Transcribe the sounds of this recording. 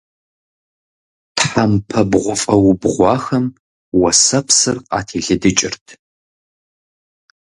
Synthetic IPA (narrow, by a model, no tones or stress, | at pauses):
tħampʰɐbʁʷʊfʼɐwʊbʁʷɑːxɐm | wɐsɐpsɨrqʼɑ̰ːtʰeːɮɨdɨt͡ʃʼɪrtʰ